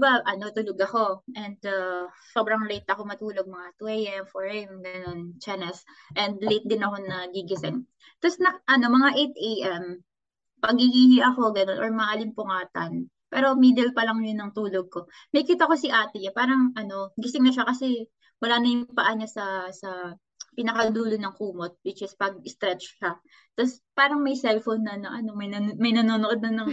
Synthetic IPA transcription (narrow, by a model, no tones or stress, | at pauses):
ɪbaʔɐno̞t̪ʊloɡɐxo̞ʔɛnd̪aso̞ːbɾɐŋlejt̪̚ʔɐko̞mɐt̪uːloɡ̚mɐŋat̪uʔejʔɛmfoɹɛmɡɐno̞nt͡ʃɛnɛs | ʔɛnd̪̚lejt̪̚d̪ɪnɐko̞nɐɡiɡɪsɪŋ | t̪osnɐʔɐno̞mɐŋaʔejt̪̚ʔejʔɛm | pɐɡiɡihɪʔɐko̞ɡɐno̞nʔo̞̰ɹmɐalɪmpʊŋaːt̪ɐ̰n | pɛːɾo̞miːd̪ɛlpɐlɐŋjʊnːɐŋt̪uːloɡ̚ko̞ | mɐjkiːt̪ɐkosɪʔaːt̪ɛɲapaːɾɐŋʔɐno̞ɡɪsɪŋnɐʃakɐsɛ | wɐlaːnɐjʊŋpɐʔaɲasɐsɐ | pɪnɐkɐd̪uːlonɐŋkuːmot̪̚wɪt͡ʃɪspɐɡ̚ɪst̪ɾɛt͡ʃʃa | t̪ɐspaːɾɐŋmɐjsɛlfonːɐnɐʔɐno̞mɐjɐmɐjnɐnoːnoʔo̞d̪̚ɐnɐŋ